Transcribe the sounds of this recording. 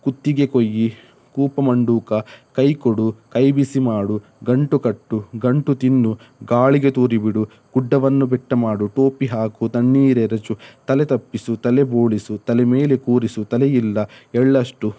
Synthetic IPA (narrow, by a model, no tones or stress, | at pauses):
kut̪ːiɡe̞kojːi | kuːpɐmɐɳɖuːkɐkɐjkoɽukɐjbisimaːɽu | ɡɐɳʈukɐʈːuɡɐɳʈut̪inːu | ɡaːɭiɡe̞t̪uːɾibiɽu | ɡ̥uɖːɐʋɐnːubɛʈːɐmaːɽuʈoːpiɦaːkut̪ɐɳːiːɾeɾɐt͡ʃut̪ɐlet̪ɐpːisut̪ɐleboːɭisut̪ɐlɛmeːle̞kuːɾisut̪ɐlejilːɐɛɭːɐʂʈu